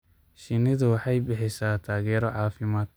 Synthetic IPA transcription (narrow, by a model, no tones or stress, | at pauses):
ʃɪnɪðʊwɑħɑjbɪħɪsaːt̪ʰaːɣɛːɾɔʕɑːfɪmaːd̪̚